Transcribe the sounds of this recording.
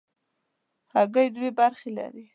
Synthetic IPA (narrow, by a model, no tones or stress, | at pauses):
haɡəjd̪webaɾxela̰ɾi